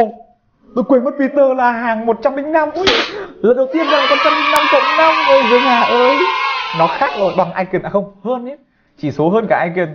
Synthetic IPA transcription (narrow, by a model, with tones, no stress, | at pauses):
t̪o˧˩jkwe˨˧˩mə˦˥t̚vi˨˦t̪əː˧˩laː˨˩ɦaː˨˩ŋmo˨˩t̚t͡ɕa˧mlï˧˦ŋ̟na˧mu˧˦jlə˨˩nɗə˨˩w̚t̪i˧ənɗaː˨˧˩a˨˩ka˧˩t͡ɕa˧mlï˧˦ŋ̟na˧mt͡ɕə̰˧˨wŋ͡mna˧wŋ͡mvo˧˩jzəː˨˦jɲaː˨˩ʔəː˨˦jnɔ˨˦xaː˦˥k̚lo˨˩ɓa˨˩ŋʔa˧jki˨˩nʔaː˧˩xə˧wŋ͡mhəː˧nɛ˦ | t͡ɕi˧˩so˨˦ɦəː˧nkaː˧˩ʔa˧ŋ̟ki˨˩n